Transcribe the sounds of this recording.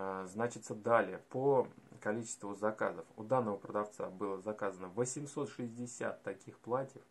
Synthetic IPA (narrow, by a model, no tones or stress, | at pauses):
znat͡ɕɪt̪səd̪alʲɪjəpəkɐlʲit͡ɕɪ̥st̪vʊzɐka̰zəfʊd̪anːəvəpɾəd̪aft̪sa̰bɨlˠəzakazənəvəsʲɪmso̞t̪ʂɨzʲdʲɪsʲa̰t̪ːɐkʲixplˠatʲjəf